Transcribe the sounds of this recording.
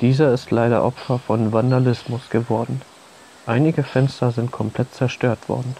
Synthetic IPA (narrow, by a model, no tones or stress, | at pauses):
d̥iːzɐɪstlaɪɾɐ̰ʔɔpfɐfɔnvandalɪsmʊsɡ̥əvɔɐdn̩ | ʔaɪnɪɡəfɛnstɐzɪnt̚kʰɔmpʰl̥ɛt̚t͡sɛɐʃtøːɐtv̥ɔ̰ɐdn̩